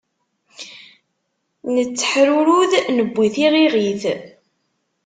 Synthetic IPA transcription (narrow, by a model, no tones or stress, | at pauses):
nət͡sːə̥ħɾuɾuðnəbʷːiθiʁiʁiθ